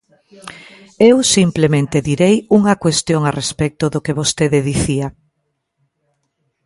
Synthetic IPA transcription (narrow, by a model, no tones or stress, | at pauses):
ewsimplemẽnt̪eðiɾejuŋɐkwest̪joŋarespɛk̚t̪ʊðʊkeβost̪eðeðiθiɐ